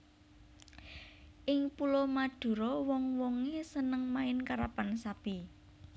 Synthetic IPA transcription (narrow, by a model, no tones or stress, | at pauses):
ʔɪŋpulɔmaɖ̥ṳɾɔwɔŋwɔŋesənəŋmaɪnkaɾapansab̥i